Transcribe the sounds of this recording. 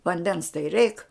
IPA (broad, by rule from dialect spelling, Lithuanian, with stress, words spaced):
ʋɐnʲˈdʲɛns tɐɪ rʲɛɪk